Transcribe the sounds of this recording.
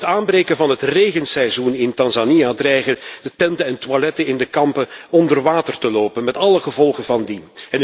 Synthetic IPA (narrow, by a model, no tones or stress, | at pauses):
taːnbrejkənvɑnɦətreːɣənsɛjzunɪntɑnzanijadrɛjχəd̥ətɛntəɛntwalɛtəɪndəkɑmpəɔndərʋaːtərtəloːpənmɛtɑləχəvɔlˠχənvɑndinɛn